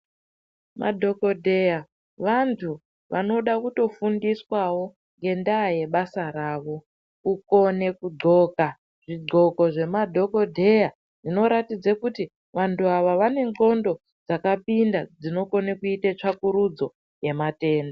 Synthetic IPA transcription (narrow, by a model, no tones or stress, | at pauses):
ma̰dʱo̞ko̞dʱe̞ja | ʋantʰu | ʋa̰no̞ɗakuto̞fundiswawo̞ | ŋɡe̞ndaje̞ɓasaɾaːʋo̞ | uko̞ne̞kuɡ͡ǃʱo̞ːka | ʐ̥iɡ͡ǃo̞ko̞ʐe̞madʱo̞ko̞dʱe̞ja | ʐino̞ɾatid͡zakuti | ʋantuaʋaʋane̞ŋo̞ndo̞ | d͡zakapindad͡zino̞ko̞nekuitet͡ʂakuɾud͡zo̞ | je̞mate̞ːndo